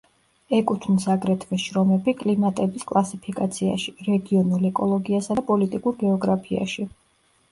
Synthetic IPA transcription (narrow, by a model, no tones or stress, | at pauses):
ɛkʼut̪ʰnisaɡɾɛt̪ʰvɛʃɾɔmɛbikʼlimat̪ʼɛbiskʼlˠasipʰikʼat̪sʰia̰ʃiɾɛɡiɔnulɛkʼɔlˠɔɡiasapʼɔlit̪ʼikʼuɾɡɛɔɡɾapʰia̰ʃi